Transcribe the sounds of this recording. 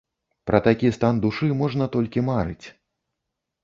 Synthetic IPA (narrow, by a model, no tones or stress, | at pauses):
pɾʔɐt̪akʲist̪and̪uʂɨmɔʐnɐt̪ɔlʲkʲimaɾɨ̰t͡sʲ